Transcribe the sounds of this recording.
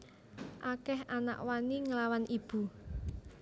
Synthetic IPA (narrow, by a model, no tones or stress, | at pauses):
ʔakɛhana̰ʔwaniŋəlawanʔib̥ṳ